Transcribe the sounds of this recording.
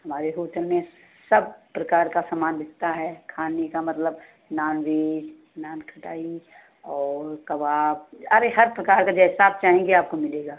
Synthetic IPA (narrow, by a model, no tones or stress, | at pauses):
hɐmaːɾeɦoːʈəlmẽ | səbpɾɐkaːɾkasamaːnbɪtt̪aɦɛkʰaːnekamɐt̪ləb | naːnʋeːd͡ʒ | naːnkʰɐʈaːi | ɔːɾkɐʋaːb̚əɾeɦɐɾpɾɐkaːɾkad͡ʒɛɦɪsaːb̚t͡ʃaːɦẽŋɡeaːp̚komɪleːɡaː